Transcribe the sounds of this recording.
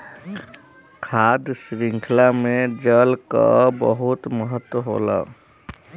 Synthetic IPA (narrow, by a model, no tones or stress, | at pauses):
kʰad̪sɾiŋkʰlamed͡ʒəlka̰bəɦut̪məɦət̪wəɦo̰la̰